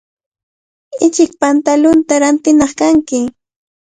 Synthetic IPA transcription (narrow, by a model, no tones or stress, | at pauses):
ɪt͡ʃɪk̚pant̪alʊnt̪aɾant̪ɪnɑχkaŋkɪ